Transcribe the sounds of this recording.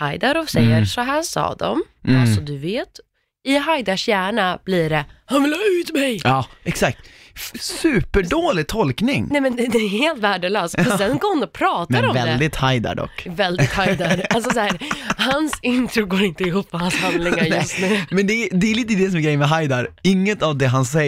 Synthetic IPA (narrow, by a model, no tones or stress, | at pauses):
hajd̪aɾɔsɛjːəʂɔɦæːʂɑ̰ːd̪ɔ̰m | alsɔd̪ɵveːt̪ | ɪɦajd̪aʂjæːɳab̥liːɖɛhanvɪlɑːʉ̟ːt̪mɛjɑːɛksak̚t̪sʉ̟ːpəɖoːlɪɡ̚t̪ʰɔlknɪŋnɛmɛnd̪ɛd̪ɛːheːlt̪væːɖəlœːst̪ɔɛnɡoːɾhʊnɔpʰɾɑːt̪mad̪ɔmvɛlɛd̪ɪt̪hajd̪a̰ɖɔ̰kːvɛld̪ɪt̪hajd̪aɾalsɔsæːɾhansɪnt̪ɾʊɡoːɾɪnt̪əɪɦuːpːɔhanshanlɪŋaɾj̪ɵst̪nʉ̟ːmɛnd̪ɛd̪ɛːɾliːt̪̬əd̪ɛsɔmɛɡɾɛjːəmɛɦajd̪aɾɪŋːət̪avd̪ɛɦansɛ